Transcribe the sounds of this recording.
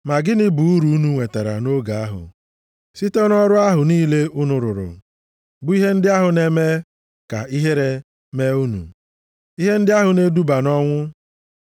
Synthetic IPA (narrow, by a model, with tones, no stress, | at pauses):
ma˨ɡɪ˦nɪ˦bu˨u˦ɾu˨u˦nu˨ŋʷe˨ta˨ɾa̰˨no˦ɡa˨a˦ɦʊ̰˨ | si˦te˦nɔ˦ɾʊ˦a˦ɦʊ˨niː˦le˦ʊ˦nʊ˨ɾʊ˨ɾʊ̰˨ | bʊ˦i˦ɦe˦n̩˦dɪ˦a˦ɦʊ˨ne˦me˦ | ka̰˨i˦ɦe˦ɾe˦ | me˦u˦nṵ˨ | i˦ɦe˦n̩˦dɪ˦a˦ɦʊ˨ne˦du˦ba˨nɔ˦ŋʷʊ˦